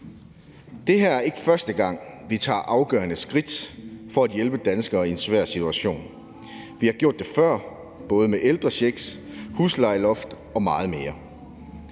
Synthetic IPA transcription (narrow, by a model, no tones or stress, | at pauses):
d̥e̝ɦæɐæɐe̝ɡ̥əfɶɐsd̥əɡ̥ɑ̈ŋ̰ʋit͡sʰɑ̰̈ːʔɑ̈ʊɡ̥ɶːɐnəsɡ̥ʁid̥fɒ̽æd̥jelb̥əd̥ænsɡ̥ɐːiensʋæɐ̰sit͡sʰuæɕo̝̰ːn | ʋihɑ̈ɡ̥jo̝ɐ̰d̥ːefɶɐ̰ | b̥ɔ̽ːð̞ˠəmeʔeld̥ʁɐɕeɡ̥shuslɑ̈ɪlɔ̽fd̥ | ɒ̽mɑ̈ːð̞̩ˠme̝ːɐ